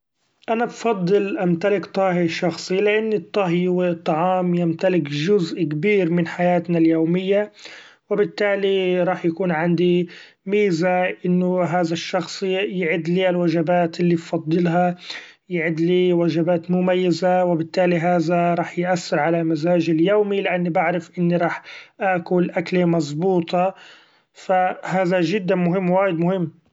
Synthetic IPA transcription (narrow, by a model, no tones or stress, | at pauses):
ʔanabfɑd̪ˤːɨlʔamt̪alɪkt̪ˤɑːɦiʃɑxsˤilɪʔanːɨt̪ˤːɑɦjwɪt̪ˤːɑʕɑːmjɪmt̪alɪkʒʊzʔkabiːɾmɪnħajaːt̪naljoːmɪjːa | wɪbɪt̪ːaːliɾˤɑːħjakuːnʕand̪i | miːzaʔɪnːʊɦaːðaʃːɑxsˤjɪʕɪd̪liːalwaʒabaːt̪ʔɪlːibfɑd̪ˤːɨlɦɑ | jɪʕɪd̪liːwaʒabaːt̪mʊmajːazawɪbɪt̪ːaːliɦaːðaɾˤɑːħjʔaθːɪɾʕalamazaːʒɪljoːmilɪʔanːibaʕɾɪfʔɪnːiɾˤɑːħʔaːkʊlʔaklemɑzˤbuːt̪ˤɑ | fahaːðaʒɪd̪ːamʊɦɪmːwaːjɪd̪mʊhɪmː